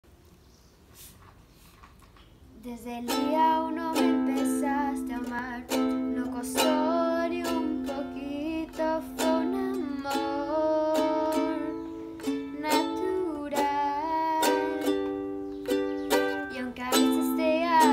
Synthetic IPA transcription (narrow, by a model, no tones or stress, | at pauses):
d̪ezeliawnõmepesast̪emaɾnokosoɾiumpokit̪ofonamo | ɾ | nat̪uɾa | ll | jawŋkaɾesist̪ea